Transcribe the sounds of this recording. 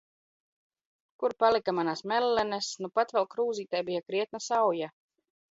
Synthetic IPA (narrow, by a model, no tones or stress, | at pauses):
kuɾpalikamanasmɛlːɛnɛsnupat̪vɛlˠkɾuːziːt̪ajbijakɾiɛt̪̚nasawja